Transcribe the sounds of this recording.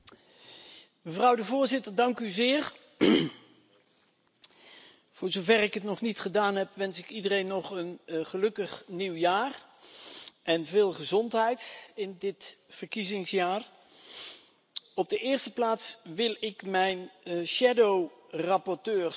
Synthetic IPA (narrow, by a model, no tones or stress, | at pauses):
məvrʌwdəvʊːɹzɪtəɹdɑŋkyzɪːɹ | v̥ʊːɹzowvɛrɪkətnɔχnitχədaːnɦɛpʋɛnsɪkidərejnːɔχənχəlɵkəχniwjaːr | ʔɛnvɪːlˠχəzɔntɦɛjtɪndɪtfəɹkizɪŋsjaːɹ | ɔb̚dəʔɪːɹstəplaːtsʋɪlˠɪkmɛjnʃɛdowrɑpɔɹtøːɹ